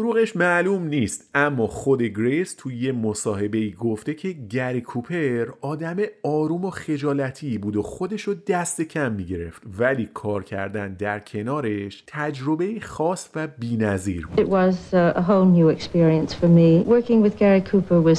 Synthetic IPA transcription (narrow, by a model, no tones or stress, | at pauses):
oɾuːɣe̞ʃmælumniːst̪æmːɒːxo̞d̪e̞ɡɾest̪ʰuje̞mo̞sɒːhe̞be̞iːɡo̞ft̪e̞cʰe̞ɟæɾikʰupʰe̞ɾɒːd̪æme̞ɒːɾuːmoχe̞d͡ʒɒːlæt̪ʰiːbuːd̪oxo̞d̪e̞ʃod̪æst̪e̞cʰæmːiɟe̞ɾe̞̰ft̪væliːkʰɒːɾcʰæ̰ɾd̪ænd̪æɾcʰe̞nɒːɾe̞ʃt̪ʰæd͡ʒɾo̞be̞jixɒːsvæbiːnæzḭːɾɪʔwʌzəɦoʊlˠnjʉɛkspɪɹiə̃nsfə˞miwɜ˞kɪ̃ŋwɪðɡæɹikʰupə˞wʌz